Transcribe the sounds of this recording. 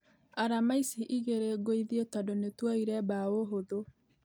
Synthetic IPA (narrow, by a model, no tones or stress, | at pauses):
aɾamaisiʔiɣeɾeɡoiðiotadonetwaiɾɛbaoɦoðo